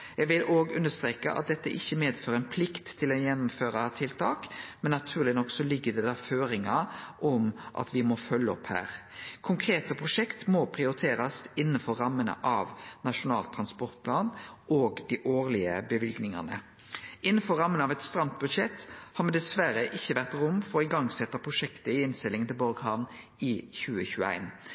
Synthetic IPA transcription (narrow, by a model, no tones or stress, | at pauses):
jɛɡʋɪloːɡʉnːəʂt̪ɾeːkə̰ʔɑ̰t̪̚d̪ɛt̪ːə̰ʔɪçːəmeːd̪føːɾɛnpʰlɪkt̪ʰːɪlɔjɛnːʊmføːɾɑt̪ʰɪlt̪ʰɑːkmɛnːɑt̪ʰʉːʁlɪnɔkːsɔlɪɡːəd̪ɛd̪æɾføːɾɪŋɑʔɔmʔɑ̰t̪ʋɪmɔfœlːəɔphæ̰ːʁkʰʊŋkʰɾeːt̪əpʰɾʊʂɛkt̪mɔpʰʁɪʊɾɪt̪ʰeːɾɑsɪnːənfɔɾːɑmːənə̰ʔɑʋnɑʃʊnɑ̰ːlt̪ʰːɾɑnspɔʁt̪̚pʰlɑːnoːɡd̪ɪʔoːʁlɪəbəʋɪlɡnɪŋɑ̰nə̰ | ɪnːənfɔɾːɑmːənɑʋɛt̪st̪ɾɑmt̪̚bʉd̪ʂɛt̪ːhɑɾmɛd̪ɛsʋæɾəʔɪçːəʋæʁt̪ʁʊmfɔɾɪɡɑŋsɛt̪ːəpʰʁʊʂɛkt̪əɪɪnst̪ɪlɪŋənt̪ʰɪlbɔɾɡhɑn | ɪçʉːəçʉːəæ̰ɪn